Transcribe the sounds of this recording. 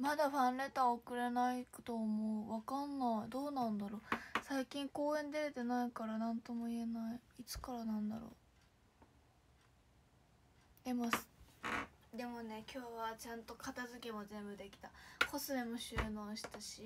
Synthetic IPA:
mad̪aɸãnɾe̞t̪aokɯ̟ɾe̞naikt̪oːmoɯβakanːaid̪o̞ːnãnd̪aɾo̞saikʲĩŋko̞ːẽ̞nd̪e̞ɾet̪enaikaɾanãnt̪o̞mo̞ie̞naiit͡sɨ̥kaɾanãnd̪a̰ɾo̰ː | d̪̥e̞mos | d̪e̞mo̞ne̞kʲo̞ːβat͡ɕãnt̪o̞kat̪azɨkʲemo̞zẽ̞mbɯd̪e̞kʲi̥t̪akʰo̞sɨemo̞ɕɨːnoːɕi̥t̪aɕi

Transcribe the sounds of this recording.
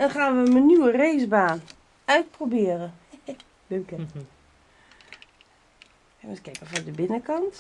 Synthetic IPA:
ɛnχaːnʋəmənyəreːzbaːn | œɥt̚probɪːərə | døkə | ɛʋɔskɛpəfɔdəbɪnəkɑnt

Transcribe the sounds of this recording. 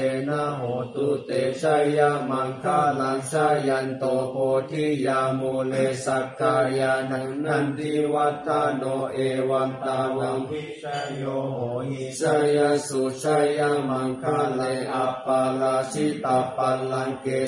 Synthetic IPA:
enaɦot̪ut̪et͡ʃajamaŋkalaŋsajant̪opotijamulesakaɾijanaŋnandiwat̪anoʔewant̪awaŋi | ajooɦisajansut͡ʃajamaŋkalajapalasit̪apalaŋke

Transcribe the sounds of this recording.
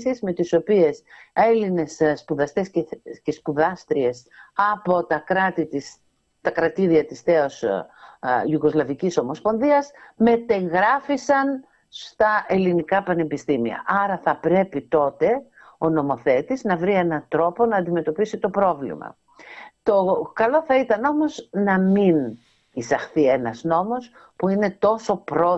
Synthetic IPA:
sizme̞t̪iso̞pie̞se̞line̞sspuðɐst̪e̞sece̞spuðɐst̪ɾie̞sɐpo̞t̪ɐkɾɐt̪it̪is | t̪ɐkɾɐt̪iɾiɐt̪isθeo̞s | juɣo̞zlɐviciso̞mo̞spo̞nðiɐsme̞t̪e̞ŋɣɾɐfisɐn | st̪ɐe̞linikɐpɐne̞bist̪imiɐ̰ʔɐɾɐθɐpɾe̞pit̪o̞t̪e̞ | o̞no̞mo̞θe̞t̪iznɐvɾie̞nɐt̪ɾo̞po̞nɐːnd̪ime̞t̪o̞pisit̪o̞pɾo̞vlḭmɐ̰ | t̪o̞kɐlo̞θɐit̪ɐno̞mo̞znɐmin | isɐxθie̞nɐzno̞mo̞s | puine̞t̪o̞so̞pɾo

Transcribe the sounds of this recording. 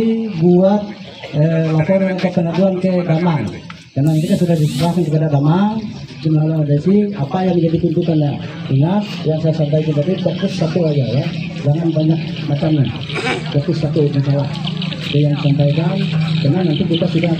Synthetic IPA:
iɡuat̪̚ | əlapɔɾanat̪akːəladuankɛdamaŋ | karnanant̪ikansudahdisəbakankəpadadamaŋd͡ʒumalalaŋadaisiapajaŋd͡ʒadit̪unt̪ut̪anjadəŋas | jaŋsajasampaikand͡ʒadipokusːat̪uad͡ʒaja | d͡ʒaŋanbaɲak̚ | mat͡ʃani | pɔkusːat̪uansala | kɛjaŋisampaikankarnanant̪ikit̪asuda

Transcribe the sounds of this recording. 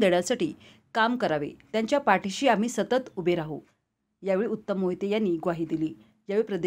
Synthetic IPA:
d̪eɭasaʈḭː | kamkəɾaʋḛt̪jaɲt͡ɕjapaʈiɕiːam̤iːsət̪ət̪ubʱeɾaɦṵ | jaʋeɭiut̪ːəmːoɦit̪ejanːiːɡʋaɦiːd̪iliː | jaʋeɭipɾəd̪e

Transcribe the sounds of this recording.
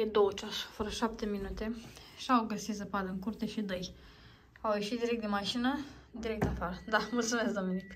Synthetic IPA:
jed̪owət͡ʃaʃḁfəɾəʃap̚t̪e̞minut̪e̞ | ʃiawɡəsit̪zəpaləŋkurt̪e̞ʃid̪əj | awjeʃit̪̚d̪iɾek̚t̪d̪inmaʃinə | d̪iɾek̚t̪afaɾəd̪amult̪sume̞sd̪ominik

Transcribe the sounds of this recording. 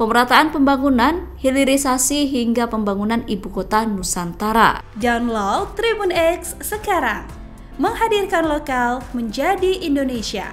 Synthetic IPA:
pəməɾat̪aanpəmbaŋunan | hiliɾisasiɦiŋɡapəmbaŋunanibukot̪anusant̪aɾa̰ | dawnlɔt̪ɾibunɛksːəkaɾaŋ | məŋɦadirkanlokalməɲd͡ʒadiindonesia̰

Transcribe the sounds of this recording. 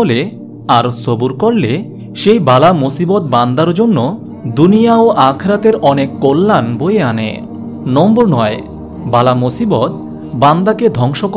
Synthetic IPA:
ole | aɾsobuɾkoɽle | ʃejbalamosibot̪̚band̪aɾd͡ʑonːo | d̪unijaoʔakʰɾat̪eɾɔnekːolːanbojeanḛ | nɔmboɾnɔe | balamosibot̪̚ | band̪aked̪ʱɔŋʃok

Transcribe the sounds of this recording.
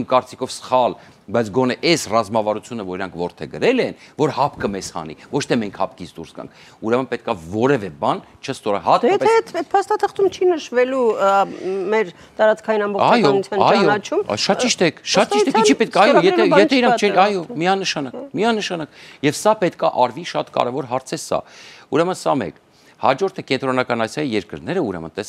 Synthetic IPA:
mkɑɾt͡si̥kʰɔvsə̥χɑl | bɑjt͡sʰɡɔnɛʔɛsrɑzmɑvɑɾut͡sʰjunəvɔɾiɾɑŋkʰvɔɾt̪ʰɛɡəɾɛlɛnvɔɾhɑpkəmɛshɑ̰nḭvɔt͡ʃʰt̪ʰɛmɛŋkʰhɑ̰p̚kit͡sʰd̪uɾsɡɑ̰ŋkʰ | uɾɛmənpɛt̪̚kɑvɔɾɛvɛbɑn | t͡ʃʰəst̪ɔɾɑhɑt̪ɛpʰɛɛt̪ɛt̪pʰɑst̪ɑt̪ʰəχt̪umt͡ʃʰinəʃvɛlu | mɛɾ | t̪ɑɾɑt͡skʰɑjinɑmbɔɑjɔnut͡sʰjɑnɑjɔɑt͡ʃʰumʃɑt̪t͡ʃiʃt̪ɛkʰʃɑt̪iʃt̪ɛt͡ʃʰipɛt̪ʰɑjɔjɛɛjɛɛiɾɑkt͡ʃʰɛɑjɔmiɑnəʃɑnɑkmiɑnəʃɑnɑkjɛvsɑpɛt̪kʰɑʔɑɾviʃɑt̪kɑ̰ɾɛvɔɾɦɑɾt͡sʰɛsɑ̰uɾɛmənsɑmɛ̰k | hɑd͡ʒɔɾt̪ʰəkɛnt̪ɾɔnɑkɑnɑsjɑjijɛɾkəɾnɛɾəuɾɛ̰mə̰nt̪ɛs

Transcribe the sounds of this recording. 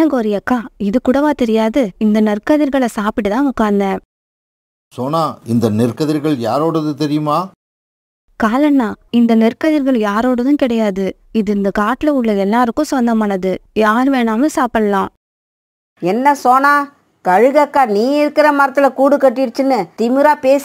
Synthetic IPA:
ɐŋɡɔɾɪjɐkːaːɪðɯkʊɽɐʋaːt̪ɛɾɪjaːðɯɪnd̪ɐnɪrkɐðɪɾɣɐɭɐsaːpɪʈ̬ːɯt̪ãːʊkːaːnd̪ɛ̃ː | soːnaːɪnd̪ɐnɪɾkɐðɪɾɣɐɭjaːɾoːɽɐðɯt̪ɛɾɪjɯmaː | kaːlɐnːaːɪnd̪ɐnɪrkɐðɪɾɣɐɭjaːɾoːɽɐðɯ̃kɪɽɐjaːðɯ | ɪðɯɪnd̪ɐkaːʈɪlɐʊɭːɐɛlːaːɾɯkːʊ̃sɔnd̪ɐmaːnɐðɯjaːɾʋeːnaːmɯ̃saːpɐɽɐlãː | ɛnːɐsoːnaː | kɐɻɯɣɐkːaːniːɪɾɯkːɪɾɐmɐɾɐt̪ːɪlɐkuːɽɯkːɐʈːɪɾt͡ʃːɯnːɯt̪ɪmɪɾaːpeːs

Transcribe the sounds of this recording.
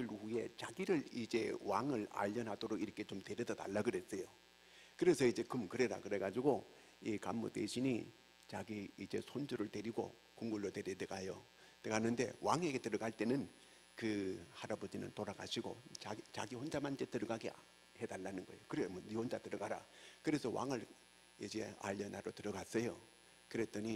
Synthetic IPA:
ɯluɸuje̞t͡ɕaɡiɾɯɭid͡ʑe̞waŋɯɭa̰ʎːʌnɦadoɾokiɾʌkʰet͡ɕomte̞ɾjʌdʌda̰ɭːaɡɯɾes͈ʌjo | kɯɾe̞sʰʌid͡ʑe̞kɯmkɯɾeɾa̰kɯɾe̞ɡad͡ʑiɡo | ikamːo̰tweɕʰiɲi | t͡ɕaɡiːd͡ʑe̞sʰond͡ʑɯɾɯɭteɾiɡo̰ | kuŋɡuɭːoteɾedeɡajo | teɡanːɯnde̞̰wʔaŋɦeɡe̞tɯɾʌɡaɭt͈e̞nɯn | kɯhaɾabod͡ʑinɯ̰ntoɾaɡaɕʰiɡo̰at͡ɕa̰ɡiɸond͡ʑamanid͡ʑetɯɾʌɡaɡe | hedalːanɯnɡʌejokɯɾemonihond͡ʑatɯɾʌɡaɾa̰kɯɾe̞sʰʌwʔa̰ŋɯɭ | id͡ʑe̞̰aʎːʌnaɾotɯɾʌɡas͈ʌjo | kɯɾet͈ʌɲi

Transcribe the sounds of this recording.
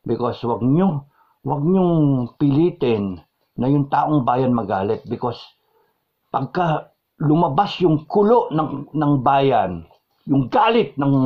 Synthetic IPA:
bɪkoswɐɡ̚ɲo | wɐɡ̚ɲoŋpɪliːt̪ɛnː | ɐjʊŋt̪aːʔoŋbaːjɐnmɐɡaːlɪt̪̚bɪkos | pɐɡ̚ka | lʊmɐbasjʊŋkʊloʔnɐnɐŋbaːjan | jʊŋɡaːlɪt̪̚nɐŋ

